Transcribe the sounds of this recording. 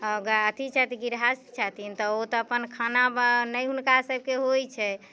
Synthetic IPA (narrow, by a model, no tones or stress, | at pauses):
əɡəɾət̪ʰit͡ʃʰat̪ĩɡiɾɦast͡ʃʰat̪int̪ɔot̪ɔəpənkʰanabnəjɦunkasəb̚ʱkeɦojt͡ʃʰɛ